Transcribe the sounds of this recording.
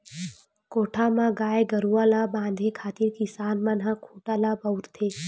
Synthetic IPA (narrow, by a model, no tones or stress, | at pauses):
koːʈʰamãɡaːjeɡəɾuaːlabãːnd̪ʱekʰaːt̪iɾkisaːnmãnɦãkʰuːʈaːlabəwɾt̪ʰeː